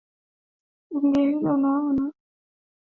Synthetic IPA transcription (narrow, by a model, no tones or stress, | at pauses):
uŋɡeilɔnawɔna